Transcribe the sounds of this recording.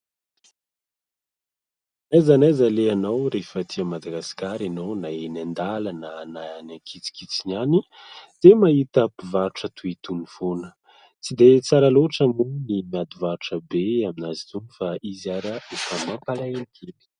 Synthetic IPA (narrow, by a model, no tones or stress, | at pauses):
nazanajzaleanawɾefət̪ʰiamad̪aɡasi̥kaɾanonaenand̪alananaanaŋkʰit͡si̥kit͡sinani | d̪̥emaɦit̪əpivaʈ͡ʂət̪ʰuit̪unifonə̥ | t͡sid̪et͡saɾaloʈ͡ʂəmunimiad̪uvaɾuʈ͡ʂəbeaminazit̪unifaʔiziaɾaefəmampalaenikʰeli̥